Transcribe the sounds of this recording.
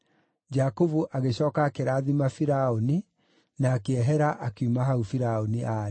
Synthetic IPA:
d͡ʒakovuʔaɣeɕɔːkaːkeɾaːðimafiɾaoni | naːkeɛɦɛɾaʔakeumaɦaufiɾaoniʔaɾe

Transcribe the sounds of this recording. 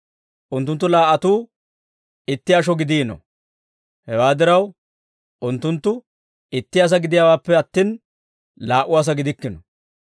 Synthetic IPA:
ʔʊnt̪ːʊnt̪ːʊlaːʔːɐt̪uː | ɪt̪ːɪjaʃ̬ɔɡɪd̪iːnɔ̰ | hɛwaːd̪ɪɾɐw | ʔʊnt̪ːʊnt̪ːʊ | ɪt̪ːɪjaːs̬ɐɡɪd̪ɪjawaːpːɛɐt̪ːiːn | laːʔʊwaːs̬ɐɡɪd̪ɪkːɪnɔ

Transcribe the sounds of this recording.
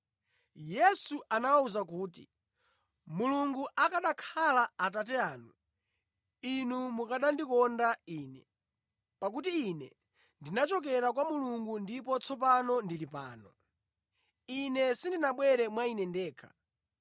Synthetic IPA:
jɛsuʔanawauzakuːtḭ | muluŋɡuʔakaɗakʰalaːt̬at̬ɛaːnu | inumukaɗandikɔndaiːnɛ | pak̬utiːnɛ̰ | ndinat͡ʃɔkɛɾakwamuluŋɡundipɔt͡sʰɔp̬anɔndilipa̰ːnɔ | inɛsindinaɓwɛɾɛmwainɛndɛːkʰḁ̰

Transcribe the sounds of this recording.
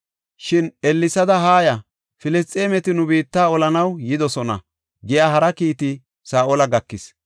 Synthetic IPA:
ʃɪnɛlːɪsɐd̪ɐɦaːjɐ | fɪlɪs̬t̪ʼːe̞ːmɛt̪ɪnʊbiːt̪ːaːɔlɐnɐwjɪd̪ɔsɔnɐ̰ | ɡɪjaːhɐɾɐkiːt̪ɪ | saːʔɔlɐɡɐkːɪs

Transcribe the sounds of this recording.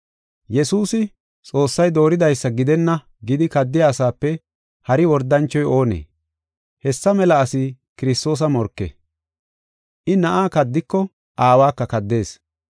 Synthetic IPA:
jɛsuːsɪ | t͡sʼo̞ːsːɐjd̪o̞ːɾɪd̪ɐjsːɐɡɪd̪ɛnːɐ | ɡɪd̪ɪkɐd̪ːɪjaːsaːpːɛ | hɐɾɪwɔɾd̪ːɐnt͡ʃːɔjo̞ːnḛː | hɛsːɐmɛlɐːsɪ | kɪɾɪst̪o̞ːs̬ɐmɔɾkːḛ | ʔɪnɐʔaːkɐd̪ːɪkːɔ | ʔaːwaːkːɐkɐd̪ːe̞ːs

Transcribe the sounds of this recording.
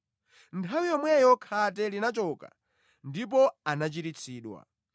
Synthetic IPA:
ntʰawijɔmwɛjɔkʰat̬ɛlinat͡ʃɔka̰ | ndip̬ɔanat͡ʃiɾit͡sʰiːɗwa̰

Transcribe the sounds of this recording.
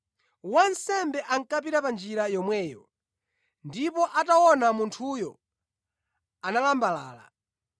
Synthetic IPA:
wansɛmbɛʔaŋ̩kapiɾapand͡ʒiɾajɔmwɛːjɔ | ndipɔʔatawɔnamuntʰujɔ | analambala̰ːla̰

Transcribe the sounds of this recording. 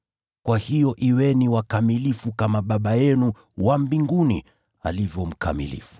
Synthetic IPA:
kwahijɔʔiwɛniwakamilifukamaɓaɓajɛnu | wambiŋɡunḭ | a̰livjɔm̩kʰa̰mḭlḭfu̥

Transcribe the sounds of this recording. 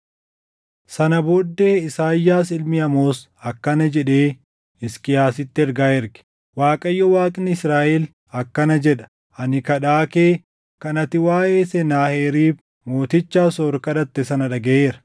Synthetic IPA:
sɐnɐbod̪ːe̞ːɪsaːjːaːsɪlmɪɐmoːs | ɐkːɐnɐd͡ʒɛᶑeː | ɪskɪjaːsɪt̪ːɪɛɾɡaːɛɾɡɪ̥ | waːkʼɐjːɔwaːkʼnɪɪsɾaːʔɛl | ɐkːɐnɐd͡ʒɛᶑɐ̥ | ʔɐnɪkɐᶑaːkeː | kɐnɐt̪ɪwaːʔeːsɛnaːheːɾiːf | moːt̪ɪt͡ʃːaːsoːɾkɐᶑɐt̪ːɛsɐnɐᶑɐɡeeːɾɐ̥

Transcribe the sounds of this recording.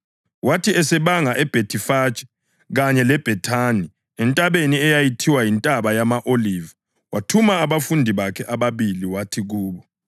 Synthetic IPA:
watʰiɛsɛβaŋaʔɛb̥ʱetʰifaːt͡ʃʼɛ̥ | ɣaɲɛlɛb̥ʱɛtʰani | ɛntʼaβeniɛjajitʰiwajintʼaβajamaʔoliːva | watʰumaːβafundʱiβakʰɛʔaβaβiliwatʰiɣuːβɔ

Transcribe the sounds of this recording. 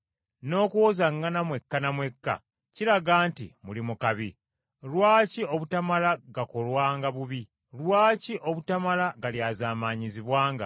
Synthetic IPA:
no̞ːkuwozaŋːanamwe̞kːanamwe̞kːa̰ | ciɾaɡaːntḭmulimukaβi | lwaːcio̞βutamalaɡako̞lwaːŋɡaβuβi | lwaːciʔo̞βutamalaɡaljaːzaːmaɲiziβwaːŋɡa̰

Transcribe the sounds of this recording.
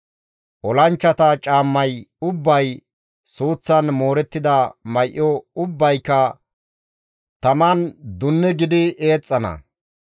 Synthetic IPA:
ʔɔlɐnt͡ʃːɐt̪ɐt͡ʃʼaːmːɐjʊbːɐj | suːt͡sːɐnmo̞ːɾɛt̪ːɪd̪ɐmɐjʔːɔʊbːɐjkːɐ | t̪ɐmɐnd̪ʊnːɛɡɪd̪ɪʔe̞ːt͡sʼːɐnɐ̰

